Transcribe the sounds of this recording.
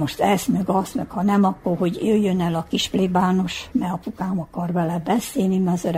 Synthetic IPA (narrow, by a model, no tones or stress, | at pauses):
oʃt̪ɛsmøɡɒsmøkhɒnɛmɒkːorho̞ɟøjːønɛlɒkiʃplibaːno̞ʃmɛɒpukaːmɒkɒrvɛlɛbɛseːlnimɛzøɾ